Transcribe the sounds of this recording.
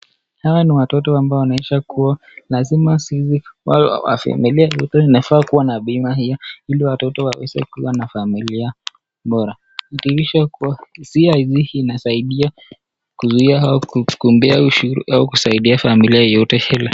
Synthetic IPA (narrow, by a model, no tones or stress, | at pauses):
hawaniwatɔtɔambaɔwnaɛʃakuwa | lazimasiziwa̰wa̰fa̰miliajɔtɛinafaːkuwanaɓimahijailiwatɔtɔwawɛ̰sɛ̰kiwanafamilia | ɓɔɾa | itiɾiʃakuwasiaiziinasaiɗia | kuzuiaakumbɛauʃuɾṵʔaukusaiɗiafamiliajɔtɛhɛlɛ